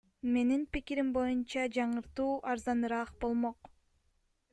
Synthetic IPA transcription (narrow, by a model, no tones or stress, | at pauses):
me̞ninpikiɾimbo̞junt͡ʃɑd͡ʒɑɴɯɾt̪uːʔɑɾzɑnɯɾɑqbo̞lˠmoq